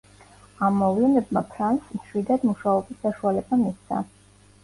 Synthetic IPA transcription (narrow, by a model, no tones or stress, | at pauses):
amːɔvlɛnɛbmapʰɾansmʃwid̪ad̪muʃaɔbisːaʃualɛbamit̪sʰa̰